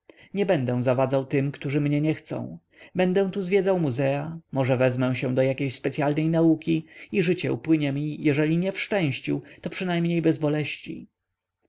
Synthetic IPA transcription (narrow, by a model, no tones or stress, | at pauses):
ɲɛbɛnd̪ɛw̃zavad̪zawt̪ɘmkt̪uʐɘmɲɛɲɛxt̪sɔ̰̃w̃ | bɛnd̪ɛw̃t̪uzvjɛd̪zawmuzɛamɔʐɛvɛzmɛw̃ɕɛ̃d̪ɔjakʲejɕspɛt̪sʲjalnɛjnaukʲiiʐɘt͡ɕɛṵpwɘɲɛmʲijɛʐɛlʲiɲɛfʂt͡ʂɛ̃w̃ɕt͡ɕṵt̪ɔpʂɘnajmɲejbɛzbɔlɛɕt͡ɕḭ